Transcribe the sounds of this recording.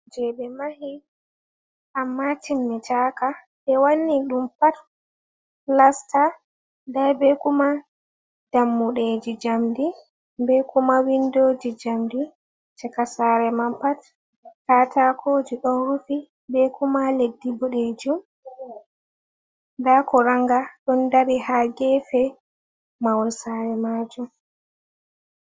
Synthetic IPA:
d͡ʒɛɓɛmahi | ʔamːatimːɛt͡ʃaka | ɓɛwanːiɗumpat | lasta | dajbɛkuma | d̥amːuɗed͡ʒid͡ʒamdi | bɛkumawindoːd͡ʒid͡ʒamdi | t͡ʃɛkasaɾɛmampat | katakʰoːd͡ʒiɗɔnɾufi | bɛkumaledːibuɗed͡ʒum | dakɔɾaŋɡaɗɔndaɾihaɡɛfɛ | mawɔlsaːɾɛmaːd͡ʒum

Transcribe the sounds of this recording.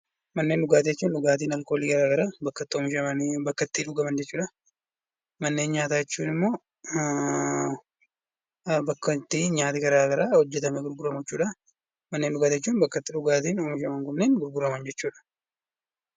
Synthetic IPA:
mɐnːenɗʊɡaːt̪ɛt͡ʃːuːnᶑʊɡaːt̪iːnɐlkoːliːɡɐɾaːɡɐɾaːbɐkːɐt̪ːɪɔmɪʃɐmɐnbɐkːɐt̪ːiːᶑʊɡɐmɐnd͡ʒɛt͡ʃːuːᶑɐ | mɐnːe̞ːnɲaːt̪aːɛt͡ʃːuːnɪmːo̞ː | bɐkːɐt̪ːiːɲaːt̪ɪɡɐɾaːɡɐɾaːhɔd͡ʒːɛt̪ɐmɛɡʊɾɡʊɾɐmɐt͡ʃːuːᶑɐ | mɐnːeːnɗʊɡaːt̪jɛt͡ʃːuːnbɐkːɐt̪ːɪᶑʊɡaːt̪iːnɔmɪʃɐmɐŋkʊmneːnɡʊɾɡʊɾɐmɐnd͡ʒɛt͡ʃːuːᶑɐ̥

